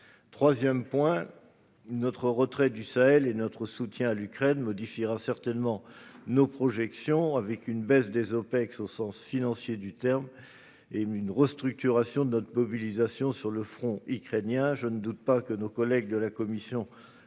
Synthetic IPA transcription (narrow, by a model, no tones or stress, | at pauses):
t̪χwazjɛmpwɛ̃ | nɔt̪χəʁət̪χɛd̪ysaɛlenɔt̪χəsut̪jɛ̃alykχɛnmɔd̪ifiʁasɛʁt̪ɛnmɑ̃nopχɔʒɛksjɔ̃avɛkynbɛsd̪ezɔpɛksosɑ̃sfinɑ̃sjed̪yt̪ɛʁm | eynʁəst̪χyk̚t̪yʁasjɔ̃d̪ənɔt̪χəmɔbilizasjɔ̃syʁləfχɔ̃ikχenjɛ̃ʒənəd̪ut̪̚pakənokɔlɛɡ̚d̪əlakɔmisjɔ̃